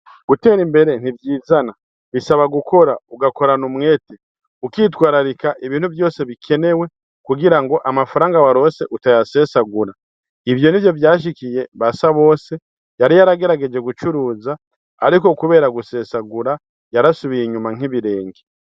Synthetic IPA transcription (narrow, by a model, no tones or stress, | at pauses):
ɡ̥ute̞ːɾimbe̞ɾe̞n̥ivjiːzana | βisaβaɡukʰo̞ɾauɡako̞ɾanumŋe̞ːte | ukitwaːɾaɾikaʔiβiːnhuvjo̞ːse̞βikʰe̞ne̞we̞ | kuɡiɾaŋɡo̞ʔamafaɾaːŋɡawaɾo̞ːse̞ʔutajase̞ːsaɡuɾa | ivjo̞nivjo̞vjaːʃ̬ikije̞βasaβo̞ːse̞ | jaɾijaɾaɡe̞ɾaɡe̞d͡ʒe̞ɡut͡ʃuɾuːzaː | ɾiko̞kuβe̞ːɾaɡuse̞ːsaɡuɾa | jaɾasuβiiɲumaŋ̥iβiɾe̞ːŋɡe